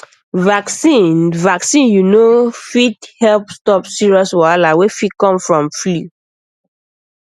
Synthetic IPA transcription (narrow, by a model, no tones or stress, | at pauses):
vaksĩnvaksĩnjunofithɛlpstɔpsiɹiɔswalawefit̚kɔ̃mfɹɔ̃mflu